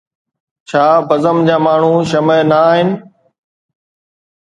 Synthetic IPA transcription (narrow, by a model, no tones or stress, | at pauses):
t͡ɕʰaːbəzəmd͡ʑaːmaːɳ̤ũːʃəmənəaːɦɪnɪ̆